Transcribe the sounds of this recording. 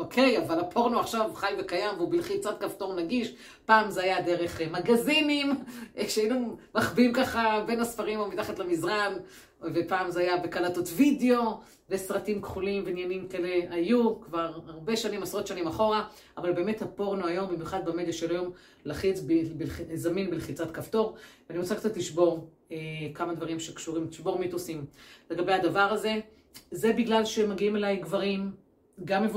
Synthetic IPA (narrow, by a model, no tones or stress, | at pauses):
okʰejavalapʰo̞ʁnoaχʃavχajve̞kajamveubilχit͡sat̚kaft̪o̞ʁnaɡiʃ | paːmzeajad̪e̞ʁeχmaɡazinimʃeajinumaχbimkaχabe̞nasfaʁimumit̪aχatlamizʁan | vepaːmzeajabekalato̞tvideo̞ | vesʁatimkχulimvenjanimkeleajukvaʁaʁbe̞ʃanimasʁo̞t̪ʃanimaχo̞ʁa | avalbe̞eme̞thapo̞ʁnuajo̞mbimjuχad̪̚bamed̪aʃelajo̞m | laχit͡sbbilizaminbilχit͡satkafto̞ʁveaniʁot͡sakt͡satliʃbo̞ʁ | ekamad̪vaʁimʃekʃuʁimtiʃbo̞ʁmit̪usimle̞ɡabehad̪avaʁaze̞ | zebiɡlalʃemaɡiimelajɡvaʁim | ɡamev